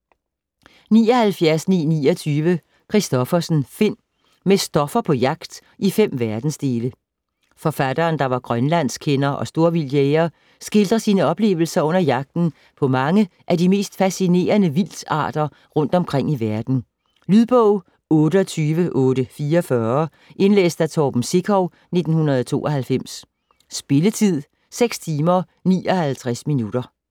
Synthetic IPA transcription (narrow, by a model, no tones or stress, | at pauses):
nḭːɒhælfjæɐsnḭːnḭːɒt͡sʰyːʋə | kʰʁisd̥ɒ̽fɐsn̩fe̝n̰ | mesd̥ɒ̽fɐpʰɒ̽jɑ̈ɡ̥d̥ | ʔifem̰ʋæɐd̥n̩sd̥e̝ːlə | fɒ̽fæd̥ɐːnd̥ɑ̈ʋɑ̈ɡ̥ʁɶnlæn̰skʰenɐʔɒ̽sd̥o̝ɐʋiljeːɐ | sɡ̥e̝ld̥ʁɐsiːnəɒ̽b̥le̝̰ːʊl̩sɐɔ̽n̰ɐjɑ̈ɡ̥̚d̥n̩ | pʰɒ̽mɑ̈ŋəʔædime̝̰ːsd̥fæsine̝̰ːɐnəʋil̰sɑ̰̈ːd̥ɐ | ʁɔ̽n̰d̥ɒ̽mkʰʁeŋ̰iʋæɐd̥n̩ | lyðˠb̥ɔʊ̰ | ɔ̽ːɾəɒt͡sʰyːʋəʔɔ̽ːɾəfiːɐfɶɐ | ʔe̝nlḛːsd̥æt͡sʰɒːb̥m̩se̝ɡʰɒʊ | ne̝d̥n̩hunɐðˠɒt͡sʰo̝̰ːɒ̽hælfem̰sː | b̥e̝lət͡sʰið̞̰ˠ | seɡ̥st͡sʰiːmɐ | nḭːʔɒ̽hælt͡sʰʁasminud̥ɐ